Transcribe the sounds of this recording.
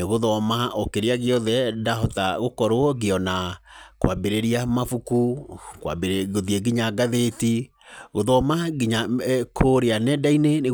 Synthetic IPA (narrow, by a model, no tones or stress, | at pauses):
eɣoðɔmaʔokeɾeaɣeɔðɛdaɦɔtaɣokɔɾoɔɣeɔnakwabeɾeɾiamafukukwa̰beɣoðieɡiɲaɡaðeti | ɣoðɔmaɡiɲakʰoɾeanɛdainene